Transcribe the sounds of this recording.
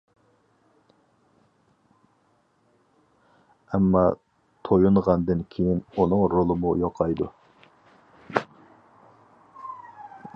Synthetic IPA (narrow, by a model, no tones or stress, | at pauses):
ɛmːɑ | t̪ʰojuɴʁɑnd̪ɨnkʲʰejinunɨŋɾolˠɨmujoqʰɑjd̪u